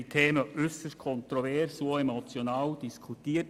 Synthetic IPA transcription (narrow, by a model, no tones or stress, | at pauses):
it̪ʰeːməʔʏsəskʰɔnt̪ɾɔvɛrsuemot͡sjonaːwd̥iskʰutiːət